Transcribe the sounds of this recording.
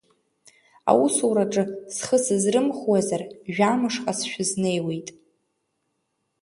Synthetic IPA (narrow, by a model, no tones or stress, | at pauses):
a̰wusuɾaʈ͡ʂʼɨsχəsɨzrɨmχwazarʒᶣamɨʂqʼasʃᶣʊzne̞jwejtʼ